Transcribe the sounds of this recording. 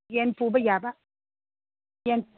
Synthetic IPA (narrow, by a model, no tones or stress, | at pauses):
jenpuːbɐjaːba | jen